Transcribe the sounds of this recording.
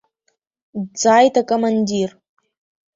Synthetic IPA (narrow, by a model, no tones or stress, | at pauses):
d͡zaːjtʰakʼomandir